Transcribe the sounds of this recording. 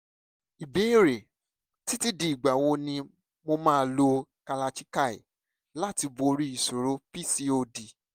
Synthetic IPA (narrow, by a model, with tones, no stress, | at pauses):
i˨be˨˦i˦˨ɾe˨ | ti˦ti˦di˨ɡ͡ba˨wo˧nĩ˧ | mo˧mãː˦˧lo˧ka˧la˧t͡ʃi˦ka˦˨ḭ˨ | la˦˨ti˧bo˧ɾi˦i˨so˨ɾo˨˦pi˦si˧o˧di˨